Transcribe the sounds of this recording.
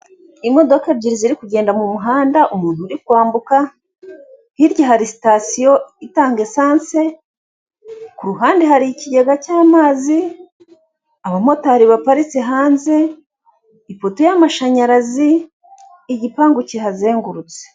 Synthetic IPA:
imo̞do̞kabɟiɾiziɾikuɟe̞ːndamumuɦaːndaʔumuːnhuɾikwaːmbuka | hiɾɟaɦaɾisi̥tasijo̞itaːŋɡe̞saːnse | kuɾuɦaːndeɦaɾiciɟe̞ɡacaːmaːzi | aβamo̞tahɾiβapaɾisiɦaːnziː | poto̞jamaʃaɲaɾaziː | ɟipaːŋɡucehazeːŋɡuɾut͡se̥

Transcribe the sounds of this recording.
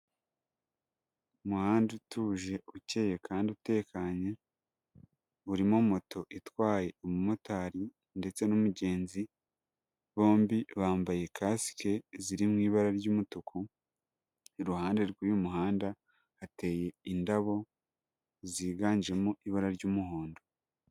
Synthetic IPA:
umuhaːndutʰuːʒe̞uce̞je̞kʰaːndiute̞ːkaɲe | uɾimomo̞tʰo̞ʔitwaːje̞omumotaːɾi | nde̞t͡se̞numuɟe̞ːnzi | βo̞ːmbiβaːmbaje̞kasi̥ke̞ziɾimŋiːβaɾaɾɟuːmutukʰu | iɾuhaːnde̞ɾɡujumuɦaːnda | ate̞ːje̞indaβo̞ | ziːɡaːɲd͡ʒe̞muʔiβaɾaɾɟuːmuho̞ːndo

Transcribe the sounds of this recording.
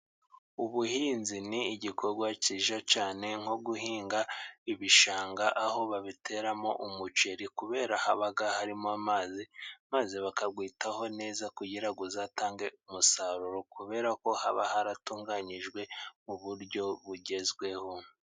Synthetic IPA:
uβuhiːnziniːɟikʰo̞ɾɡwaciːʒat͡ʃaːne̞ŋ̥o̞ɡuhiːŋɡaiβiʃaːŋɡaʔaho̞βaβitʰe̞ɾamo̞ʔumut͡ʃe̞ɾikuβe̞ːɾahaβaɡahaɾimoamaːzimazeβakabɡwiːtaho̞ne̞ːzakuɟiɾaɡuzaːtaːŋɡe̞umusaɾuɾokuβe̞ːɾako̞haβahaɾatuːŋɡaɲiʒɡwe̞muβuɾɟo̞βuɟe̞zɡwe̞ho̞

